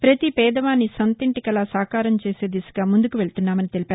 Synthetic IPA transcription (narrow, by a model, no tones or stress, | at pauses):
pɾɐt̪ipɛːd̪ɐʋaːnːisɐnt̪iɳʈikɐlɐsaːkaːɾɐmt͡ʃe̞ːse̞ːd̪isu̥ɡaːmund̪ukuʋe̞ɭt̪unːaːmɐnit̪e̞lipaːɾu